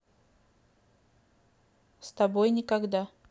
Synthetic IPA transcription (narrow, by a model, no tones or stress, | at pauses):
st̪ɐbojnʲɪkɐɡd̪a